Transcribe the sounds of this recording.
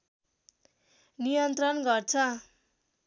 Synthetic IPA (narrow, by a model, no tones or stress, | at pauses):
nijʌnt̪rʌnɡʌrt͡sʰʌ